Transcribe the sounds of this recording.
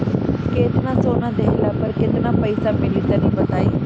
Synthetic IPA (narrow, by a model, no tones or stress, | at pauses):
keːt̪nãsoːnãd̪eɦɪlaːpəɾkɪt̪ɪnãpəɪsãpẽlit̪ənĩbət̪aːiː